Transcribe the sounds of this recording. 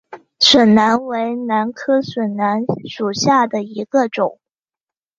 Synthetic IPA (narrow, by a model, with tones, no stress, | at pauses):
swə˨˩nna˧˥nwe˧˥ɪna˧˥nkʰɤ˥ʂwə˨˩nna˧˥nʂu˨˩ɕja˥˩d̪ə˩i˧˥ɡ̥ə˧ʈ͡ʂʊ˨˩˦ŋ